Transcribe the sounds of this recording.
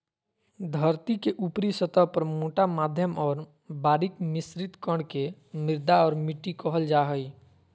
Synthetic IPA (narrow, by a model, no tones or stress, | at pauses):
d̪ʱəɾt̪ikeʔupɾisət̪əɦpəɾmoːʈamaːd̪ʱjəmɔːɾ | baːɾɪkmɪsɾɪt̪kəɽke | mɪɾd̪aɔːɾmɪʈːikəɦəld͡ʒaɦəi